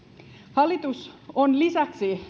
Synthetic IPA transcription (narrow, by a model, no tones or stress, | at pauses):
hɑlit̪usonlisæksi